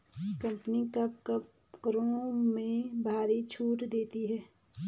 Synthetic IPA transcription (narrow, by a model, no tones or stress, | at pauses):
kə̃mpənikɐpkp | kɾõmẽbʱaːɾit͡ʃʰuːʈd̪eːt̪iɦɛː